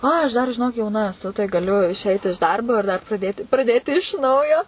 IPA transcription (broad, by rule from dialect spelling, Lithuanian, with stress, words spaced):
ˈɐɪ ɐʃ ˈdɐr ʒʲɪˈnoːk jɛʊˈnɐ ɛˈsʊ tɐɪ ɡɐˈlʲʊ ɪʃʲˈɛɪt ɪʃ ˈdɐrboː ɪr dɐr prɐˈdʲeːtʲɪ prɐˈdʲeːtʲɪ ɪʃ ˈnɐʊjoː